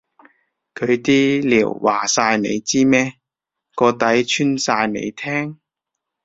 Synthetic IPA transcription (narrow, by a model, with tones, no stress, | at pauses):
kʰɵ˨˧ɥt̪iː˥liː˨˩wwa̰ː˨˩saː˧jnḛ˨˧jt͡siː˥mɛː˥ | kɔː˧t̪ɐ˨˥jt͡ʃʰyː˥nsaː˧jnḛ˨˧jt̪ʰɛː˥ŋ